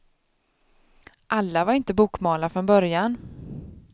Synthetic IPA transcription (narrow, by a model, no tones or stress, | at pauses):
ʔalːavaɾɪnt̪əbuːkmɑːlafɾɔnbœɾjan